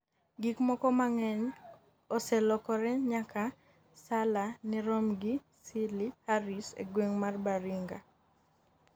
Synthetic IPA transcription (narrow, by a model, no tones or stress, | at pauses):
ɡikmɔkɔmaŋɛɲ | ɔsɛlɔkɔɾɛɲaka | salanɪɾomɡi | silihaɾisḛɡweŋmarbaɾiŋɡa